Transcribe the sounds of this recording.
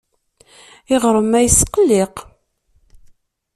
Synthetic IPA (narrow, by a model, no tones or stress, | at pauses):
ɪʁɾˤəmæjsːqəlːeq